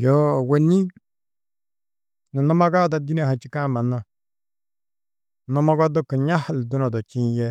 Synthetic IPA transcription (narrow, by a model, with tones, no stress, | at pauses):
jo˦˨we˨ni˦ | no˨no˦ma˦ɡa˦da˨di˦ne˦˨ha˨t͡ʃi˦ka˦˨ma˨na˦˨ | no˦ma˦ɡɔ˦do˦ka˨ɲa˦hldo˦nɔ˨do˨t͡ʃi˦je˦